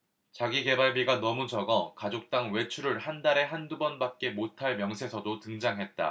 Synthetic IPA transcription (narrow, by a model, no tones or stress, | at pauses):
t͡ɕaɡiɡe̞baɭbiɡanʌmud͡ʑʌɡʌkad͡ʑok̚t͈aŋwe̞t͡ɕʰuɾɯɭhandaɾe̞ɦandubʌnbak̚k͈e̞motʰaɭmjʌŋsʰe̞sʰʌdotɯŋd͡ʑaŋɦe̞t̚t͈a̰